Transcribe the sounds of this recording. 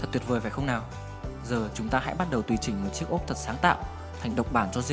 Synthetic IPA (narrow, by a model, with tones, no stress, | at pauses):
ə˨˩t̪̚w̚vəː˨˩faː˧˩jxə˧wŋ͡mnaː˨˩w | zəː˨˩t͡ɕʊ˨˦ŋ͡mt̪aː˧ha̰˧˥jɓa˦˥t̚ɗə˨˩wt̪wi˨˩t͡ɕï˧˩ŋ̟mo˨˩t̚t͡ɕi˦˥ək̚ʔo˦˥k͡p̚t̪ʰə˨˩t̚saː˨˦ŋt̪a̰ː˧˨w | t̪ʰa˨˩jŋ̟ɗə̰˨wk͡p̚ɓaː˧˩nt͡ɕɔ˧zi˧